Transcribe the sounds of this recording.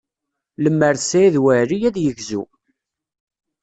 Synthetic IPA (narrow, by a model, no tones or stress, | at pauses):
ləmːəɾsæiðwæɾijæðjəʝzṵ